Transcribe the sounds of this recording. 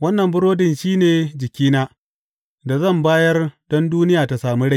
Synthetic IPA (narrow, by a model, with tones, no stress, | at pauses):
wɐ˦nːɐ˨mbʊ˦ɾoː˦dɪ˨nʃiː˦neː˨d͡ʒɪ˨kʲiː˦naː˦ | da˨zɐ˦˨mbaː˦jɐ˦rɗɔ˦nduː˦nɪ˦jaː˨ta˨saː˨mi˦ɽa˦˨